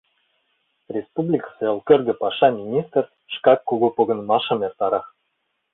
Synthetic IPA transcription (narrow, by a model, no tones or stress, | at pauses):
rʲespublʲikseɤ̆lˠkʲø̆rɡʲɘ̆pɑʃɑmʲinʲist̪rʲ | ʃkɑkkːuɡopoɡɤ̆nmɑʃɤ̆mert̪ɑɾɑχ